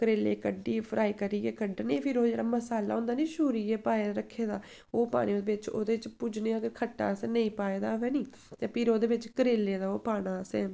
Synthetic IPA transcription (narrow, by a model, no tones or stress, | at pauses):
kəɾeːlḛːkəɖiːpʰɾʔaːiːkəɾiːɡɛːkəɖnẽːpʰɪɾoːd͡ʒeːɽaːməsaːlaːõnd̪aːnĩːʃuːɾiːɛːpaːeːɾəkʰːeːd̪aː | oːpa̰ːɽ̃ĩːd̪eːʋɪt͡ʃo̰ːd̪eːt͡ʃpʊd͡ʒnẽːãːɡəɾkʰəʈːa̰ːəseːnə̃ĩːpaːeːd̪aːɛːniː | t̪eːpʰɪɾoːd̪eːʋɪt͡ʃkəɾeːlːeːd̪aːoːpaːɽ̃aːsɛː